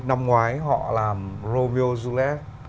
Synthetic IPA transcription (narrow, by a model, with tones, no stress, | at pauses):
na˧mŋwaː˨˦jɦɔ̰˧˨laː˨˩mzo˧me˧o˧zu˧lɛ˦˥k̚